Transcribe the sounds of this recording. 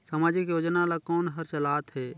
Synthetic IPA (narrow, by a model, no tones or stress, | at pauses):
səmaːd͡ʒɪkjoːd͡ʒnalakɔːnɦəɾt͡ʃəlaːt̪ɦɛ